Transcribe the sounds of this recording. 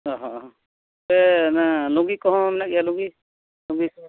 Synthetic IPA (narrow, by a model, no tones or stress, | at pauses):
ɔɦɔ̃ | bɛnaluŋɡikɔɦɔ̃mɛnak̚ijaluŋɡi | luŋɡis